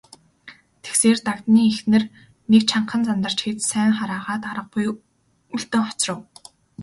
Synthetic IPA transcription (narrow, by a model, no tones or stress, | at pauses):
t̪ʰe̥kseːrt̪akt̪niːexnɘ̆r | nekt͡ɕʰaɴqə̆nt͡sant̪ə̆r̥t͡ɕxet͡ssæːŋχaɾaːʁaːt̪aɾə̆q̚ɢuj | uɮt̪ɘ̆ŋχɔ̥t͡srə̆w